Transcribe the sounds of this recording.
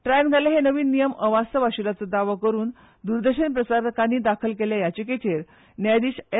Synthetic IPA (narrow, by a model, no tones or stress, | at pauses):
ʈɾajənɡʱaleɦenəʋiːnːijəməʋast̪ʰəʋaɕulat͡səd̪aʋakəɾuːn | d̪uɾd̪əɕənpɾəsaɾəkaniːd̪akʰəlkeljajat͡ɕeket͡ɕeɾ | njad̪iːɕe